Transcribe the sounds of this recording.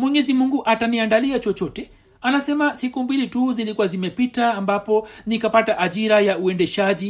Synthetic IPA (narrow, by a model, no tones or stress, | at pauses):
mwɛɲɛzimuŋɡuʔataniandaliat͡ʃɔt͡ʃɔtɛ | anasɛmasikumbilituzilikuwazimɛpitaːmbapɔnikapataʔaʄiɾajauɛndɛʃaʄi